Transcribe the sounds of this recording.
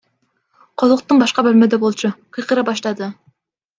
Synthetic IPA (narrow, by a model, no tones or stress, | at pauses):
qʰɑzˠəq̚t̪ɨŋbɑʃqɑbølʲmɪd̪ɛbolˠt͡ʃʰuqʰɨjqəɾɑbɑʃlˠɑd̪ɨ